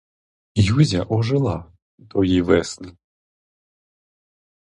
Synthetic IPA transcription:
juzʲaʔɔʒɪlˠa | t̪ɔjiʋɛsnʲi

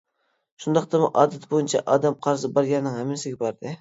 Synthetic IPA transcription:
ʃʊnd̪ɑqt̪amɪʔɒːd̪at̪bojɪnt͡ʃʰa̰ʔɒd̪amqʰɑɾzɪbɒɾɡʲanːɪŋamɪnsɪɡʲabɒɾd̪ɪ

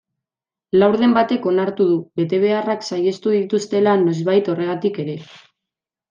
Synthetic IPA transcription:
lawɾðe̞mbat̪e̞ko̞naɾt̪uðuβe̞t̪e̞β̞e̞araksaje̞st̪uðit̪ust̪e̞lano̞zβajt̪o̞re̞ɣ̞at̪ike̞ɾe̞

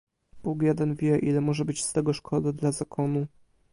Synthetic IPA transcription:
buɡjɛd̪ɛnvʲjɛʔilɛmɔʐɛbɘt͡ɕst̪ɛɡɔʂkʰɔd̪ad̪lazakʰɔnu

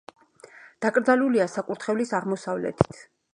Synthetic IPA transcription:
d̪̥akʼɾd̪zaluliasakʼuɾt̪ʰχɛvlisaʁmɔsavlɛ̰t̪ʰi̥t̪ʰ

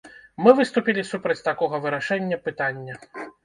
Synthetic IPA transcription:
mɨvɨst̪upʲilʲisupɾɐt͡sʲt̪akɔɣɐvɨɾaʂɛnʲːɐpɨt̪anʲːɐ

